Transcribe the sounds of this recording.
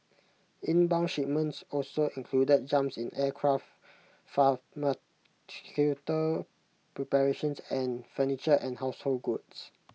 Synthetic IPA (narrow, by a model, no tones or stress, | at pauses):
ĩnbãw̃nʃip̚mə̃ntsɔsoĩŋkʰludət̚d͡ʒãmpsĩnʔɛkʰɹaft | fama | tikʰutə | pɹɛpɛɹeʃə̃nsɛ̃nfənit͡ʃəʔɛ̃nhaʊshol̚ɡuts